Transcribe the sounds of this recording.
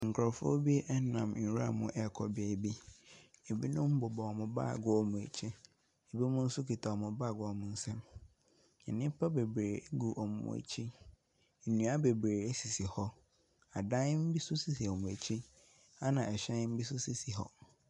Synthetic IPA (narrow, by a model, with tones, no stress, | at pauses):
ŋ̩˨kʰɾɔ˨fʊ˦bi˦e˦ʔɛ˦nã˨m˨n̩˨ɾu˦a̰˦˨mʊ̃˨ʔɛ˦˨kʰɔ˨be˨bi˦e˨bi˦nʊ̃˦m̩˦bʊ˨bɔ˨ɔ˨mʊ̃˨ba̰ː˦˨ɡʊ˦ɔ˨mʊ̃˨e˨t͡ɕʰĩ˦ | e˨bi˦mʊ̃˦n̩˦sʊ˦kʰi˨tʰa˨ɔ˨mʊ̃˨baː˦˨ɡʊ˨˦ɔ˨mʊ̃˨n̩˦sɛ̃˦m | ɛ̰˨nɪ̃˦pʰa˦be˨bɾe˨e˦ɡu˨ʔɔ˨mʊ̰̃˨ʊ̰̃˨æ̰˨t͡ɕʰi˦˨ | nũ˨a˦be˨bɾeː˨e˦si˨si˨hɔ˦ | a˨dã˦n˦m̩˦bi˦sʊ˦si˦˨si˨ɔ˨mʊ̃˨æ˨t͡ɕʰĩ˦ | a˦nã˨ɛ˨ɕɛ̃˦n˦m̩˦bi˦s̬ʊ˦si˦si˨ɦɔ̰˦